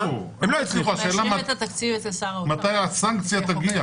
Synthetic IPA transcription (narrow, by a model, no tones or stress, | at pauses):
emloit͡sliχuaʃeːlamat̪at̪akt͡sivetesaʁmat̪ajasaŋkt͡sjat̪aɡia